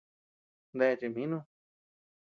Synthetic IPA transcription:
nd̪e˧t͡ʃi˧˨mĩ˦nũ˦˧

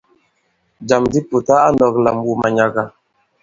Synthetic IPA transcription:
d͡ʒa˨mdi˦pu˨ta˦a˦nɔ˨kla˨mwu˨ma˨ɲa˨ɡa˨

